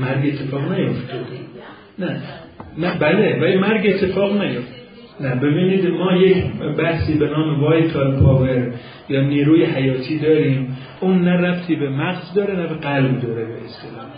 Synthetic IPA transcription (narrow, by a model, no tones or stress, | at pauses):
mæɾɡet̪ʰːe̞fɒːɣnæjo̞ft̪ɒd̪e | næ | næbælevælimæɾɡe̞t̪ʰːe̞fɒːɣnæjoft̪ | næbe̞biːniːd̪mɒːjecʰbæhsiːbe̞nɒːmevɒːjt̪ʰɒːlpʰɒːveɾ | jɒːniːɾuːjeɦæjɒːt̪ʰiːd̪ɒːɾiːm | ʔuːnːæræft̪ʰiːbemæɣzd̪ɒːɾenæbe̞ɡælbd̪ɒːɾebḛʔest̪e̞lɒːh